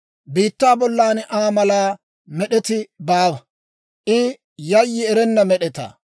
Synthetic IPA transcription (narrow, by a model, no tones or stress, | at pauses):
biːt̪ːaːbɔlːaːnʔaːmɐlaː | mɛɗɛt̪ɪbaːbɐ | ʔɪ | jɐjːɪɛɾɛnːɐmɛɗɛt̪a̰ː